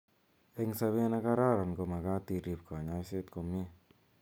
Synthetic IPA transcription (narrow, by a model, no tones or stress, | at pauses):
eŋsaβenakaɾaɾankomakat̪iɾip̚kaɲaiset̪̚komi